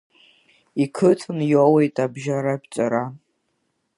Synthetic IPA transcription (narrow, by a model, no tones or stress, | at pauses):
ikʰɨtʰɨnjowejtʼabʒaɾabt͡sʷʼaɾa